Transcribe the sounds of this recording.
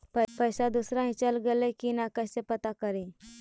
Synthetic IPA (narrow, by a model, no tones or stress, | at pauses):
pəpəjsad̪usɾaɦĩt͡ɕəlɡelekinakəjsepət̪akəɾe